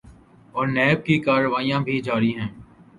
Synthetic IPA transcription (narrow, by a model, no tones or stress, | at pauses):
ɔːɾnɛːb̚kikaːɾəʋaːijãbʱid͡ʒaːɾiɦɛ̃ː